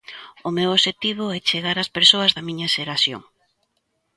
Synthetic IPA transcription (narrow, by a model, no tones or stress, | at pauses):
ʊmewoʃet̪iβʊɛt͡ʃeɣaɾɐspeɾsoɐzðɐmiɲɐʃeɾasjo̰ŋ